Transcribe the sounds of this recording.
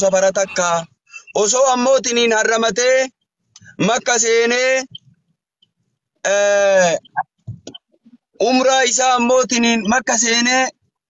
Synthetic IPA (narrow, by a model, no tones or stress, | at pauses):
sɐfɐɾɐt̪ɐkːaː | ʔɔsoːɐmːo̞ːt̪̬ɪniːnhɐrːɐmɐt̪e̞ː | mɐkːɐs̬eːneː | ʔʊmɾaːɪs̬aːɐmːo̞ːt̪̬ɪniːnmɐkːɐs̬eːneː